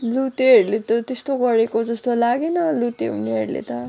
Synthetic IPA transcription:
lut̪eɦeɾlet̪ʌt̪est̪oɡʌɾekod͡zʌst̪olaɡenʌlut̪eɦṵneɦʌ̰ɾlḛt̪ʌ

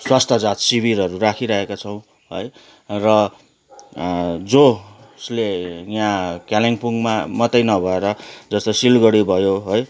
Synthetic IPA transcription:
swast̪ʰʌd͡zat̪sibʱiɾʌɾurakʰiɾʌɦekat͡sʰʌw̃ | ɦoj | rʌ | d͡zo | slejãkaleŋpuŋɡmamʌt̪ʌjnʌbʱʌeɾʌd͡zʌst̪ʌsilɡʌɽibʱʌjoɦoj

